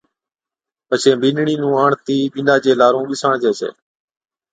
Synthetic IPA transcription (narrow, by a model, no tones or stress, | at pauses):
pət͡ʃʰẽːbɪːnɳiːnũːaːɳt̪iːɓiːnaːd͡ʒeːlaːɾõːɓɪsaːɳd͡ʒeːsḛː